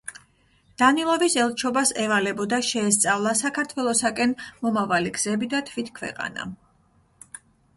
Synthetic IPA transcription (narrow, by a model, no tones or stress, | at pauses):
d̪̥anilˠɔvisɛlˠt͡ʃʰɔbasɛvalɛbɔd̪aʃɛːst̪sʼavlˠasakʰaɾt̪ʰwɛlˠɔsakʼɛnmɔmavaliɡz̥ɛbid̪at̪ʰvit̪kʰvɛ̰qʼa̰na̰